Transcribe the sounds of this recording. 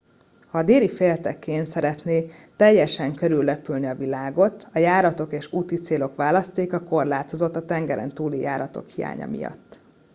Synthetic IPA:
hɒːd̪eːlifeːlt̪ɛkʰːeːnsɛɾɛt̪neːt̪ɛjːɛʃɛŋkøɾylːɛpylniɒvilaːɡo̞t̪ɒjaːɾɒt̪o̞keːʃuːt̪it̪seːlo̞kʋaːlɒst̪eːkɒko̞rlaːt̪o̞zo̞t̪ːɒt̪ɛŋɡɛɾʔɛ̰nt̪uːlija̰ːɾɒt̪o̞̰khija̰ːɲɒ̰mḭjɒ̰t̪ː

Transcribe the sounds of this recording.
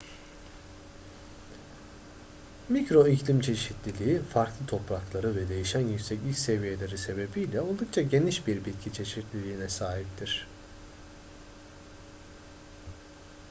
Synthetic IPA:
micɾo̞iclʲimt͡ʃʰe̞ʃit̪ʰlʲilʲiːfaɾklˠɯt̪ʰo̞pɾaklˠaɾɯvɛd̪e̞jiʃænjycsɛcilʲcʲse̞vije̞lʲe̞ɾise̞be̞bijlʲɛolˠd̪uk̚t͡ʃʰaɟe̞niʃbiɾbit̪̚cʰit͡ʃʰe̞ʃit̪lʲilʲiːnɛsaːɦip̚t̪ʰiɾ̝̥

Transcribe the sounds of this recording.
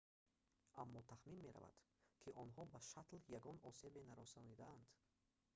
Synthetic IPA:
amːɔt̪ʰaχminme̞ɾa̰va̰d̪̥kʰiʔɔnɦɔbaʃat̪ljaɡɔnɔse̞benaɾɔsɔnid̪aand̪

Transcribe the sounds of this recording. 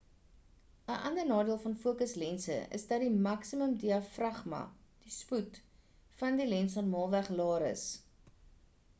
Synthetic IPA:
əʔɐndərnɑːdiəlˠfɐnfuəkəslɛnsə̰ə̰sdɐdimɐksiməmdiɐfrɐχmɐ̰d̥isput | fɐndilɛnsɑnmɑːlˠvæχlɑːɾə̰s

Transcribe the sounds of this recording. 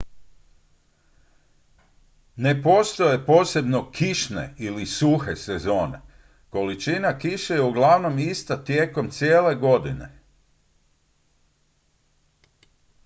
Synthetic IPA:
ne̞po̞ːst̪o̞je̞po̞ːse̞bno̞kʰiʃne̞̰ilisuxe̞sezo̞ːne̞̰ | ko̞lit͡ʃinakiʃejeuɡlˠaʋno̞mist̪at̪je̞ːko̞mt̪sjeːle̞ɡo̞d̪ine̞̰

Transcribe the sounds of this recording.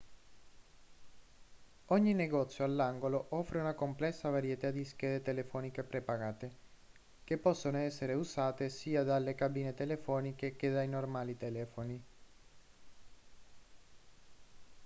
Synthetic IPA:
ɔɲːineɡɔt̪sːjoalːaŋɡoloʔɔfɾeunakomplɛsːavaɾjet̪ad̪iskɛːd̪et̪elefɔːnikepɾepaɡaːt̪e | k̟epːɔsːonoɛsːeɾeusaːt̪esiːad̪alːekabiːnet̪elefɔːnikek̟ed̪ajnormaːlit̪elɛːfoni

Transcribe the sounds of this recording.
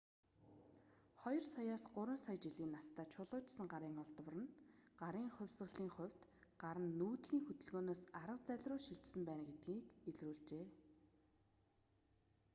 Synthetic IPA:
χɔjɞ̆rsɔjaːsɢʊɾwə̆nsajt͡ɕiɮiːnːast̪ʰaːt͡ɕʰʊɮʊːt͡ɕsə̆ŋɢaɾiːŋʊɮt̪w̆rə̆nɢaɾiːŋχʊ̟wʲsə̆ɮiːŋχʊ̟w̥ʲt̪ɢaɾə̆nːuːt̪ɮiːŋxɵt̪ɵ̆ɮɣoːnoːsaɾə̆q̚t͡sæɮʲrʊːʃiɮt͡ɕsɘ̆mpæːnɡet̪̚ɡiːkeɮruːɮt͡ɕeː

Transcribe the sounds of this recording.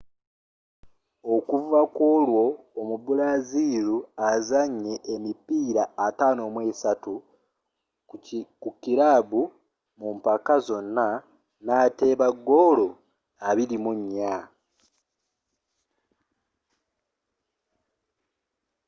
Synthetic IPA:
o̞kuvakwo̞ːlwo̞ː | mubulaziɾuazaɲːe̞ʔːmipiːɾaːtaːno̞mweːsatu | kukiɾaːβu | mumpakazo̞nːa | naːte̞ːβaɡːo̞lo̞ | aβilimuɲːa

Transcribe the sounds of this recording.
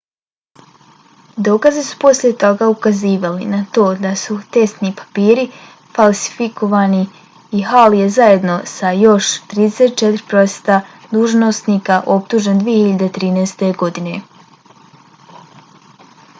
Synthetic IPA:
d̪o̞kazisu̥po̞slje̞t̪oɡaukaziːʋalḭnat̪o̞ːd̪asut̪e̞st̪nipḁpiːɾi | falˠsi̥fikʰo̞ʋaːni | iɦalje̞zaje̞d̪no̞sajo̞ʃt̪ɾiːd̪ese̞t̪̚t͡ʃet̪ɾipɾo̞st̪a | d̪uːʒno̞sniːkaʔo̞p̚t̪uːʒend̪ʋije̞hiʎad̪et̪ɾiːneːst̪e̞ɡo̞d̪ine̞

